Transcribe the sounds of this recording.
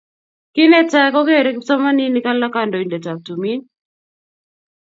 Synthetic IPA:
ki˦nɛ˦ta˦kɔ˦ke˦˨ɾɛ˦ksɔ˦ma˦ni˦ni˦ka˦la˦ka˨ndɔ˨i˨ndɛ˨ta˨k̚tu˨mi˦n

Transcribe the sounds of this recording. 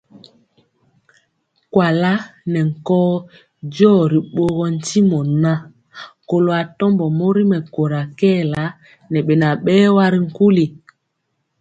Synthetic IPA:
kwa˨la˦nɛ˨ŋ̩˨kɔː˦ | d͡ʒɔː˦˨ɾi˨ɓo˨ɣɔ˨n̩˨ti˦mɔ˨na˦ | ko˨lo˨a˨tɔ˦mbɔ˨mo˦ɾi˦mɛ˨ko˨ɾa˨kɛ˦˨la˦ | nɛ˨ɓe˨na˨ɓɛː˦wa˦ɾi˨ŋ̩˦ku˦li˨

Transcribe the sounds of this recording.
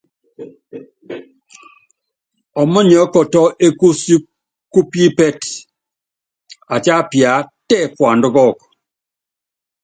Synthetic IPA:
ɔ˨mɔ˦ɲɔ˨˦kɔ˨tɔ˦ʔe˦ku˦si˦ | ku˦pi˦pɛ˦t | a˨t͡ʃa˦pja˨˦tɛ˦˨kwa˨ndʊ˦kɔ˦˨k

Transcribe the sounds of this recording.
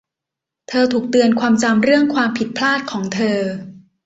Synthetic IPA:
t̪ʰɤː˧t̪ʰuː˨˩k̚t̪ɯ˧ənkʰwaː˧mt͡ɕa˧mɾɯ˥˩əŋkʰwaː˧mpʰi˨˩t̪̚pʰlaː˥˩t̪̚kʰɔː˩˦ŋt̪ʰɤː˧

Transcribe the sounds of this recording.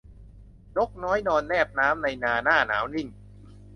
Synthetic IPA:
ɲo˦˥k̚nɔː˦˥jnɔː˧nːɛː˥˩p̚naː˦˥mna˧jnaː˧naː˥˩na̰ː˩˦wni˥˩ŋ

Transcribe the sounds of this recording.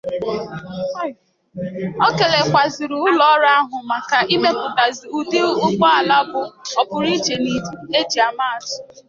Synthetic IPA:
ɔ˦ke˨le˨kʷa˨zi˨ɾu˨˦ʊ˦lɔ˦ɾa˦a˦ɦʊ˨ma˨ka˨ʔi˦me˦k͡pʊ˨ta˨zi˨u˨de˦ʊ˦k͡pɔ˦a˨la˦bʊ˨ɔ˨pʊ˨ɾi˦t͡ʃe˨ni˦du˦e˦d͡ʒi˨a˨ma˦a˨tʊ̥˨

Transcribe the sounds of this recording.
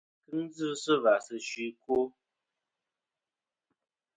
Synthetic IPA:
kɨ˦n̩˦d͡zɨ˦sɨ˦va˨sɨ˦ʃɥi˦ko˦

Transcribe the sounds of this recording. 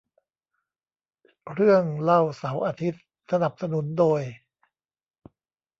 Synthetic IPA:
ɾɯ˥˩əŋla˥˩wsa˩˦wʔaː˧t̪ʰi˦˥t̪̚ | sa˧na˨˩p̚sa˧nu˩˦ndoː˧j

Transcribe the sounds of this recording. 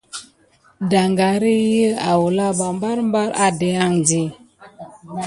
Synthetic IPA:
da˨ŋɡa˨ɾi˦jə˦a˨wu˨la˦ba˨mba˦ɾm˦ba˦ɾa̰˦de˨˦a˦˨ŋd͡ʒi˨

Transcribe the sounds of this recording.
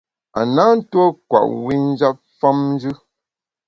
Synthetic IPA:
a̰˨na˦n̩˦twɔ˦kwa̰˨ʔwi˦n˦d͡ʒa˦p̚fa˦mn˦d͡ʒɨ˦

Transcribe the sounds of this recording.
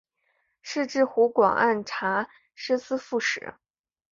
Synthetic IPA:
ʂɻ̩˥˧ʈ͡ʂɻ̩˥˩xu˧˥kwɑ̰˨˩ŋʔa̰˥˩nʈ͡ʂʰa˧˥ | ʂ̩˥sɹ̩˥fu˥˩ʂɻ̩̰˨˩˦

